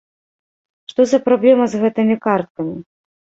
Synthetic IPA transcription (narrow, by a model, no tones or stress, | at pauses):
ʂt̪ɔzɐpɾablʲɛmɐzɣɛt̪ɨmʲikart̪̚kɐmʲi